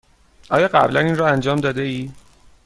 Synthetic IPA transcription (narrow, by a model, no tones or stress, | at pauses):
ʔɒːjɒːɢæ̰blæninrɒːænd͡ʒɒːmd̪ɒːd̪eiː